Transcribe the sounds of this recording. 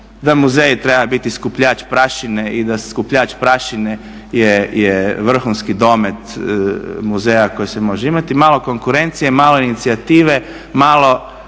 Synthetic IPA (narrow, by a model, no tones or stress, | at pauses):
d̪amuzeːjt̪ɾebabit̪iskupʎaːt͡ʃpɾaʃineid̪askupʎaːt͡ʃpɾaʃine | jejeʋr̩xunskid̪o̞met̪ | muzejako̞jisemo̞ʒeimat̪imaːlˠo̞ko̞ŋkuɾe̞nt̪sije̞maːlo̞init̪siat̪iːʋe̞ | malˠo̞